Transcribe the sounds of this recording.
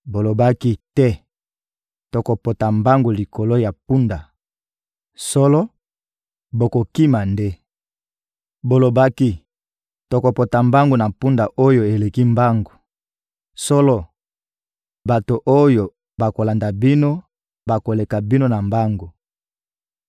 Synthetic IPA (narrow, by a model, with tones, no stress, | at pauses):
bo˨lo˨ba˦ki˦tɛ˦ | to˨ko˨po˨ta˨mba˦ŋɡo˨li˨ko˨lo˦ja˨pu˦nda˨ | so˦lɔ˦ | bo˨ko˨ki˦ma˨nde˦ | bo˨lo˨ba˦ki˦ | to˨ko˨po˨ta˨mba˦ŋɡo˨na˨pu˦nda˨ʔo˦jo˨e˨le˨ki˦mba˦ŋɡo˨ | so˦lɔ˦ | ba˨to˨ʔo˦jo˨ | ba˨ko˨la˨nda˨bi˦no˦ | ba˨ko˨le˨ka˨bi˦no˦na˨mba˦ŋɡo˨